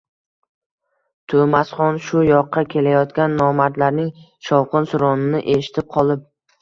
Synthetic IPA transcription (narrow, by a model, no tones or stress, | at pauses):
t̪ʰomasχɒnʃʊjɒqːɑkʲʰe̞lajɒt̪kʲanːɒmaɾt̪laɾnɪŋ | ʃɒwqʰɨnsʊɾɒnɪnɪʔe̞ʃɪ̥t̪ʰɪp̚qʰɒlˠɪp̚